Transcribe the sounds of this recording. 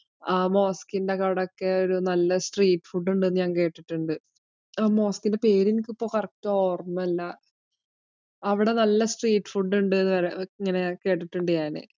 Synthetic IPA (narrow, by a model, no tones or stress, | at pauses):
aːmo̞ːskindekːɐʋiɽeokːe̞o̞ɾunɐlːɐsʈriːʈːɨ̥fuɖːuɳɖɨɲaːŋke̞ːʈːiʈːuɳɖɨ | aːmo̞ːskinde̞peːɾinkːipːo̞ːkɐrɐtːooːrmɐɐlːɐ | ɐʋiɽe̞nɐlːɐsʈriːʈːfuɖːuɳɖɨenːɨʋɐɾiŋːɐne̞ke̞ːʈːiʈːuɳɖɨjaːnɨ̰